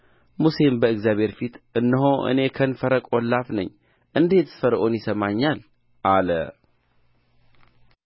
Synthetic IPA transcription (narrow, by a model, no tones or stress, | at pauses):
muse̞mbəɨɡzjaβʱhe̞ɾfit̪ʔɨnːəɦoʔɨ̰ne̞kʰənfəɾəkʼolːafnə̰ɲː | ʔɨnd̪e̞t̪fəɾʔonjɪsəmaɲːal | ʔalə̰